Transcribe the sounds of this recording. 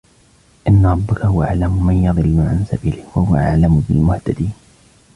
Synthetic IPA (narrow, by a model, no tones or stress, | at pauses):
ʔɪnːaɾˤɑbːɪkahʊwaʔaʕlamʊmanjɑðˤɨlːʊʕa̰nsa̰biːlɪhwahʊwa̰ʔaʕlamʊbɪlmʊht̪ad̪iːn